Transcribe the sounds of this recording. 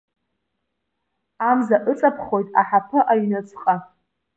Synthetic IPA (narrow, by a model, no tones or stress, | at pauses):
amzaʔɨt͡sʼapʰχo̞jtʼaħapʰɨʔajnɨt͡sʰʼχʼa